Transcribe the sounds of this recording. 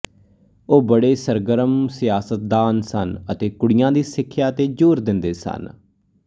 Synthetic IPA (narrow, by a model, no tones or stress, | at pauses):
oːbəɽeːsəɾɡəɾəmsɪjaːsət̪̚d̪aːnsənət̪eːkʊɽɪjãːd̪iːsɪkʰːjaːt̪eːd͡ʒuːɾd̪ɪnd̪eːsə̰n